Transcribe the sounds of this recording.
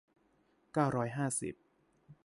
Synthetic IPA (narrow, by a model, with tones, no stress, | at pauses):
kaː˥˩wɾɔː˦˥jɦaː˥˩sḭ˨˩p̚